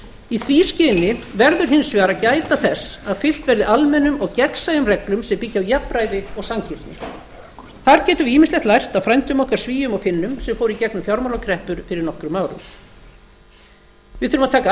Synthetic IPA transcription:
iθviscɪnːɪvɛɾðʏɾ̥ɦɪnsvɛːɾacaːjt̪aθɛsːaðfɪl̥t̪vɛɾðɪʔalmɛnʏmɔɣcɛksajʏmrɛklʏmsɛmpɪcːɪawjapɾajðɪɔɣsamcɪɾ̥t̪nɪ̰ | θaɾcɛːt̪ʏiːmɪstlɛht̪lajr̥t̪awfɾajnt̪ʏmɔhkaɾ̥sviːjʏmɔɣfɪnːʏmsɛmfoːwɾicɛk̚nʏmfjawɾmawlakʰɾɛhpʏɾ̥fɪɾɪɾnɔhkɾʏmaːwɾʏ̰m | vɪðʏɾʏmaðt̪ʰaːka

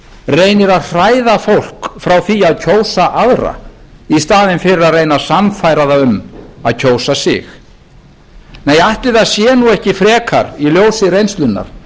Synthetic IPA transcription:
reːjnɪɾaðr̥aːjðafowl̥kfɾawθiaðcʰoːwsaʔaðɾa̰ist̪aːðɪnfɪɾɪɾaðrejnasamfajɾaðaʏmaðcʰoːwsasɪ̰x | neːjajht̪lɪðaðsjɛːnuɛhcɪfɾɛːkʰaɾiljoːwsɪrejnst̪lʏnːa̰ɾ̥

